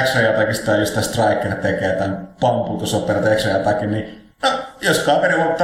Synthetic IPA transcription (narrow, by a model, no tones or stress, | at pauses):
ksrɑjɑt̪ɑkist̪ɑˑjost̪æst̪rɑˑikːˑert̪ekeːt̪æˑnpɑmpuːt̪osoperɑt̪eksɑjɑt̪ɑkinni | nojoskɑːʋeniʋot̪ːɑ